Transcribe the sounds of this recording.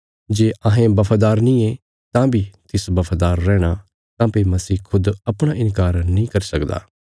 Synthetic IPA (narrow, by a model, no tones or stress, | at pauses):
d͡ʒeːʔãːɦẽbɐpʰad̪aːɾnĩe | t̪ãbʱit̪ɪsbɐpʰad̪aːɾːɛ̃ːɽ̃a | t̪ãːpemɐsiːkʰʊd̪ɐpɽ̃aʔɪ̃nkaːɾnĩkɐɾisɐkd̪a̰ː